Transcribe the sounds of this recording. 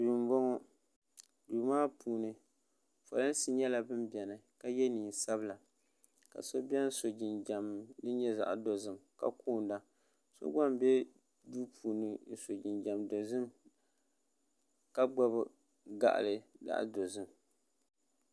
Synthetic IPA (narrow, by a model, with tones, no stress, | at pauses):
bu˨m˦bɔ˦ŋɔ˦ | duː˨maː˦puː˨nɨ˨ | fo̰˨lɨ˦n˦si˦ɲɛ˦la˨bɨ˦mbɛ˨nɨ˨ka˦jɛ˦niː˨n˨sa˦bɨ˦la˨ | ka̰˨so˦bɛ˦n˦so˨d͡ʒi˨nd͡ʒa˨mdɨ˦ɲɛ˦za̰˨ʔdo˨zɨ˨mka̰˦kuː˦˨nda˦ | so̰˦ɡ͡ba˦mbɛ˦ | duː˦pʰuː˨nɨ˨˦˨so˨d͡ʒi˨nd͡ʒa˨mdo˨zɨ˦m | ka˦ɡ͡ba˦b | ɡa̰˨ʔa̰˨lɨ˨da̰˦ʔdo˨zɨ˦m